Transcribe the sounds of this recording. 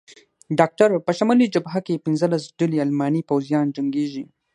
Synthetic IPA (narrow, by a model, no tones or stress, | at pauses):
ɖɑk̚ʈaɾpəʃamalid͡ʒabɦakepɪnzəlasɖəlialmɑnipawzijɑnd͡ʒaŋɡeʒi